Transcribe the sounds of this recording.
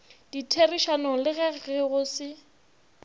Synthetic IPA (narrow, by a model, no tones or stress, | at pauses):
d̥itʰeriʃanɔlɪɣɛɣɛɣʊsɪ